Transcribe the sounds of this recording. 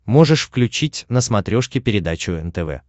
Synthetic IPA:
mo̞ʐɨʂfklʲʉt͡ɕitʲnəsmɐt̪ɾʲo̞ʂkʲɪpʲɪɾʲɪd̪at͡ɕʊɛnt̪ɛvɛ̰

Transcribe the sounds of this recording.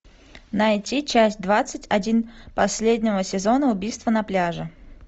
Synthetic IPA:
nɐjtʲit͡ɕæsʲt̚ʲd̪vat̪sɨtʲɐdʲinpɐsʲlʲedʲnʲɪvəsʲɪzo̞nəʊbʲijst̪vənɐplʲaʐɨ

